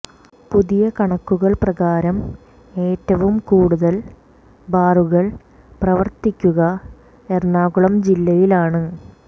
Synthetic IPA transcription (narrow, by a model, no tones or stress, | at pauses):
puðijɐkɐɳɐkːuɣɐɭprɐɣaːɾɐm | e̞ːtːɐʋumkuːɽuðɐl | baːruɣɐɭ | prɐʋɐrt̪ikʲːuɣɐ | ernaːɣuɭɐmd͡ʑilːɐjilaːɳɨ